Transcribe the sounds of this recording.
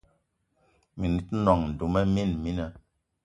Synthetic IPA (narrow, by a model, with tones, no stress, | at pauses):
mi˨ni˨˦tnɔ˨ŋn̩˨du˨mɛ˦mi˦˨nmi˦nɛ˦